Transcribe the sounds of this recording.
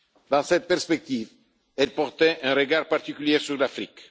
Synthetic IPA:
d̪ɑ̃sɛt̪̚pɛʁspɛk̚t̪iv | ɛlpɔʁt̪ɛʔɛ̃ʁəɡaʁpaʁt̪ikyljɛʁsyʁlafʁik

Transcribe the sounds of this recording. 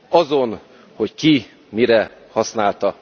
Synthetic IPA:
ɒzo̞n | ho̞cki | miɾɛ | hɒsnaːlt̪ɒ

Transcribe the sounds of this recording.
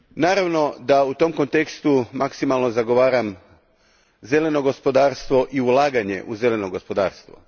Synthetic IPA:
naːɾaʋno̞d̪aut̪o̞mko̞nt̪e̞kst̪umaksimalˠno̞zaɡo̞ʋaːɾam | ze̞le̞no̞ɡo̞spo̞d̪aːɾst̪ʋo̞ʔiulˠaːɡaɲe̞̰ʔuze̞le̞noɡo̞spo̞d̪aːɾst̪ʋo̰

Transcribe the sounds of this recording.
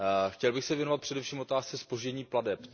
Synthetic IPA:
xcɛlbɪxsɛvjɛnovat̪pr̥ɛdɛfʃiːmvo̞t̪aːst͡sɛspoʒɟɛɲiːpladɛp

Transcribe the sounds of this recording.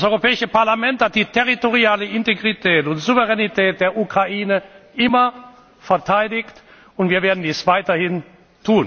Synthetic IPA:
d̥asʔɔʏʁopɛːɪʃəpaɐlamɛnthat̚d̥iːtʰɛʁitoʁiaːləʔɪnteɡʁitʰɛːtʊntz̥uvəʁɛnitʰɛːt̚d̥eːɐʔukʁ̥aʔiːnəʔɪmɐ | fɛɐtʰaɪdɪçt | ʊntv̥iːɐveːɐdn̩diːsv̥aɪtɐhɪn | tʰuːn

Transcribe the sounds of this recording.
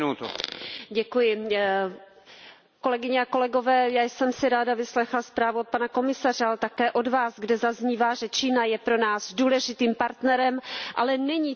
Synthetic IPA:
ut̪ṵɟɛkujɪ | ko̞lɛɡɪɲɛako̞lɛɡo̞vɛːjaːjsɛmsɪɾaːdavɪslɛxlaspɾaːvuot̪̚panako̞mɪsar̝ɛalɛt̪akɛːʔo̞dvaːzɡdɛzazɲiːvaːʒɛt͡ʃiːnajɛpɾo̞naːzduːlɛʒɪt̪iːmpaɾt̪nɛɾɛmʔalɛnɛɲiː

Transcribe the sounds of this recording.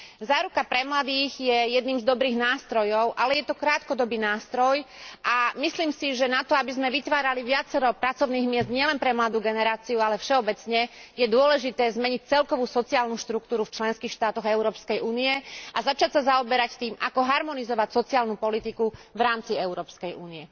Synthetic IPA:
zaːɾukapɾɛmlad̪iːɣjɛjɛd̪niːmzd̪ɔbɾiːɣnaːst̪ɾɔjɔʊʔalɛjɛt̪ɔkɾaːt̪kɔd̪ɔbiːnaːst̪ɾɔjʔamisliːmsiʒɛnat̪ɔabizmɛʋit̪ʋaːɾaliʋɪat͡sɛɾɔpɾat͡sɔʊniːɣmɪɛzd̪ɲɪɛlɛnpɾɛmlad̪uːɡɛnɛɾaːt͡siualɛfʃɛɔbɛt͡sɲɛjɛd̪ʊɔlɛʒit̪ɛːzmɛɲic̚t͡sɛlkɔʋuːsɔt͡siaːlnuʃt̪ɾukt̪uːɾuft͡ʃlɛnskiːxʃt̪aːt̪ɔɣɛʊɾɔːpskɛjʔuːniɛʔazat͡ʃacsazaɔbɛɾact̪iːmakɔɦaɾmɔnizɔʋacsɔt͡siaːlnupɔlit̪ikuʋɾaːmt͡siɛʊɾɔːpskɛjṵːniɛ

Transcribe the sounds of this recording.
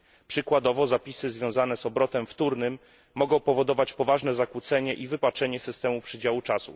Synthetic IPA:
pʂɘkwad̪ɔvɔzapʲisɘzvʲjɔ̃w̃zan̪ɛzɔbɾɔt̪ɛmft̪uɾnɘmː | ɔɡɔ̃w̃pɔvɔd̪ɔvat͡ɕpɔvaʐnɛzakwut̪sɛɲɛʔivɘpat͡ʂɛɲɛsɘst̪ɛmupʂɘd͡ʑawut͡ʂasṵ

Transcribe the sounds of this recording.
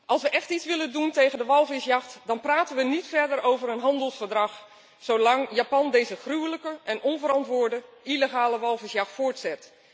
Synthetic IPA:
ʔɑlˠsʋəʔɛχtitt͡ssʋɪlənduntejχəndəʋɑlˠvɪsjɑχtdɑnpraːtənʋənitfɛɹdərowvəɾənɦɑndəlˠsfəɹdrɑχ | sowlɑŋjaːpɑndejzəχrywləkəʔɛnɔnvəɾɑntʋʊːɹdə | ileχaːləʋɑlˠvɪsjɑχtfʊːɹtsɛt

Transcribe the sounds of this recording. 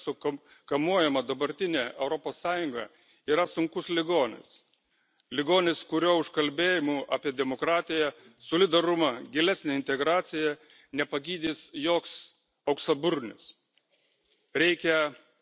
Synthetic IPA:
sʊk | kɐmuɔjɛmɐd̪ɐbɐɾʲt̪ʲɪnʲeːɛʊɾɔpoːsːɑːjʊŋɡɐ̰ | iːɾɐsʊŋkʊslʲɪɡoːnʲɪ̰s | lʲɪɡoːnʲɪskʊɾʲoːʊʃkɐlʲbʲeːjɪmuːʔɑːpʲiɛd̪ʲɛmokɾɑːt̪ʲɪjɛsoːlʲɪd̪ɐɾʊmɐɡʲɪlʲæsʲnʲeːɪnʲt̪ʲɛɡɾɑːt̪sʲɪjɛ | nʲɛpɐɡʲiːd̪ʲiːsjoːks | ɐʊksɐbʊɾʲnʲɪ̰s | ɾʲɛɪkʲɛ

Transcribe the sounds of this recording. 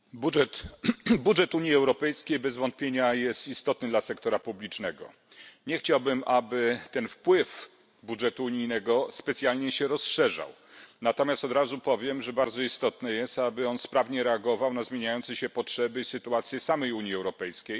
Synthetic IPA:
buɛt̪budʐɛt̪uɲjiɛwɾɔpɛjskʲejbɛzvɔnt̪̚pʲjeɲajɛst̪ist̪ɔt̪nɘd̪lasɛkt̪ɔɾapublʲit͡ʂnɛɡɔ̰ | ɲɛxt͡ɕawbɘmʔabɘt̪ɛnfpwɘf | budʐɛt̪uːɲijnɛɡɔspɛt̪sʲjalɲɛɕɛɾɔsʂɛʐa̰w | nat̪ɔmʲjast̪ɔd̪ɾazupɔvʲjɛmʐɛbaɾd̪zɔist̪ɔt̪nɛjɛst̪abɘɔnspɾavɲɛɾɛaɡɔvawnazmʲjeɲajɔnt̪sɛɕɛpɔtʂɛbɘsɘt̪uat̪sʲjɛsamɛjuɲjiɛwɾɔpɛjskʲej

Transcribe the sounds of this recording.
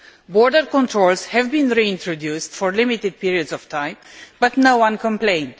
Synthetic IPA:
bɔɹdəɹkɔ̃ntʰɹolzhɛvbĩnɾiɪ̃ntʰɹodjustfɔɹlɪmitɪd̚piɹiədzɔv̥tʰãɪ̃mbʌtnowʌ̃nkə̃mplẽɪ̃nd̥

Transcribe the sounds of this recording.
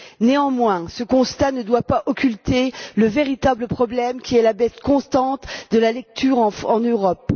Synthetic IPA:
neɑ̃mwɛ̃səkɔ̃st̪anəd̪wapaʔɔkʲylt̪eləveʁit̪abləpχɔblɛmkʲiɛlabɛskɔ̃st̪ɑ̃t̪d̪əlalɛk̚t̪ʰyʁɑ̃ɑ̃nøʁɔp

